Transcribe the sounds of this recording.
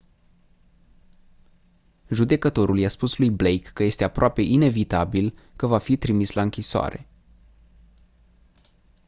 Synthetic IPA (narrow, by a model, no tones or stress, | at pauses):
ʒud̪e̞kət̪o̞ɾuljaspuslujblejkːəje̞st̪e̞apɾoape̞ʔine̞vit̪abilkəvafit̪ɾimislaɨŋkʲisoa̰ɾe̞̰